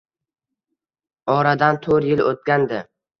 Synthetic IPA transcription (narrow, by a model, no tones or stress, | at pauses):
ɒɾad̪ant̪ʰoɾjɪlot̪̚kʲand̪ɪ